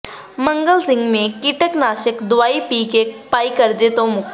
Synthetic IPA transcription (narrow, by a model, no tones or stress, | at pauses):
mɐ̃ŋɡəlsɪ̃ŋɡmẽkɪʈəknaːʃɪkd̪ʊʋaːipiːkekpaːikɐɾd͡ʒet̪õmʊk